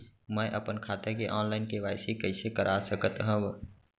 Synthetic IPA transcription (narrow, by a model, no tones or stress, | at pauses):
mə̃ʔəpənkʰaːt̪ekeʔɔːnlaːɪnkeʋaːɪsikəɪsekəɾʔaːsəkət̪ɦə̃ʋ